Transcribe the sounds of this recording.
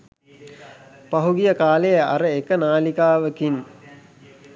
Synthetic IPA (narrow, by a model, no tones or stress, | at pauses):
pɐɦuɡijəkaːlejəɐ̰ɾəekənaːlikaːʋəkin